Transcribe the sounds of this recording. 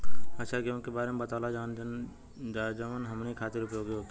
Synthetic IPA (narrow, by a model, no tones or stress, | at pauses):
ɐːʃʰaɡjõkebaːɾemẽbət̪aːlad͡ʒaːn | d͡ʒəʋənɦɐmneikʰaːt̪ɪɾʊpjoːɡjoːɡ